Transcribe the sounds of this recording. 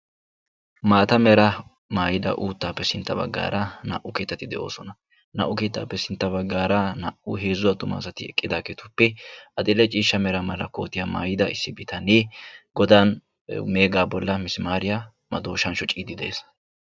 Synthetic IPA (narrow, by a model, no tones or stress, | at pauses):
maːt̪ɐmɛɾɐ | maːjɪd̪ɐ̰ʔuːt̪ːaːpːɛsɪnt̪ːɐbɐ̰ɡːa̰ːɾɐnɐ̰ʔʊke̞ːt̪ːɐt̪ɪd̪ɛʔo̞̰ːsɔnɐ | nɐ̰ʔʊke̞ːt̪ːa̰ːpːɛsɪnt̪ːɐbɐɡːaːɾɐnɐ̰ʔʊɦe̞ːzʊwɐt̪ʊma̰ːsɐt̪ɪɛ̰kʼːɪd̪aːkeːt̪ʊpːɛʔɐd̪ɪlɛt͡ʃʼiːʃːɐmɛɾɐmɐlɐko̞ːt̪ɪjama̰ːjɪd̪ɐɪsːɪbɪt̪ɐneːɡɔd̪aːn | me̞ːɡaːbɔlːɐmɪsɪmaːɾɪja | mɐd̪o̞ːʃɐnʃɔt͡ʃʼiːd̪ɪd̪ḛːs